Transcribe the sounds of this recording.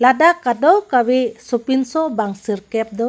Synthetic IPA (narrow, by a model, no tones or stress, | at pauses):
ladakadɔwkawesɔpinsɔbaŋsiɾkɛp̚d̪ɔ